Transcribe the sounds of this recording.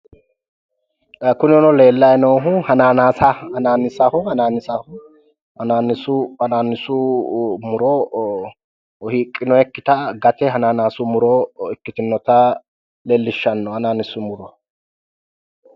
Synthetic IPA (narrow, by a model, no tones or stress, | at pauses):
kʊnɪɔnɔle̞ːlːɐjɛnoːɦʊhɐnaːnaːsɐhɐnaːnɪsɐhʊhɐnaːnɪsɐhʊ | hɐnaːnːɪsʊhɐnaːnːɪsʊmʊɾɔ | hiːkʼːɪnɔɛkːɪt̪ɐɡɐt̪ɛɦɐnaːnaːsʊmʊɾɔɪkːɪt̪ɪnːɔt̪ɐ | leːlːɪʃːɐnːɔhɐnaːnɪsʊmʊɾɔ